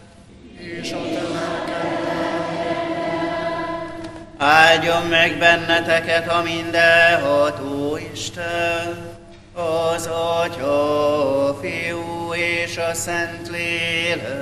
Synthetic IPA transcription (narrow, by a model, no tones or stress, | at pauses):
eːʃot̪at̪at̪ | aːlɟomːɛɡbɛnːɛt̪ɛkɛt̪hɒmind̪ɛɦɒt̪oːiʃt̪ɛ | ɒzɒcɒ | feoeːʃɒsɛnt̪leːl